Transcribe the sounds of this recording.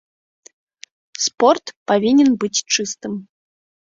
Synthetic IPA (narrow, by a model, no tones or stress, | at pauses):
sport̪pɐvʲinʲɪnbɨtʲt͡ʂɨst̪ɨm